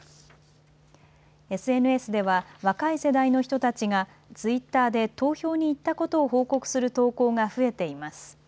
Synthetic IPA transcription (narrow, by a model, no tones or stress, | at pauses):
e̞sɨe̞nɯ̟e̞sɨd̪e̞β̞aβakaise̞d̪aino̞çi̥t̪o̞t̪at͡ɕiɡa | t͡sɨit̪ːaːd̪e̞t̪o̞ːço̞ːɲ̟iːt̪ːako̞t̪o̞ːɦoːko̞kɯ̟̥sɨɾɯ̟t̪o̞ːko̞ːɡaɸɯ̟e̞t̪e̞imasɨ̥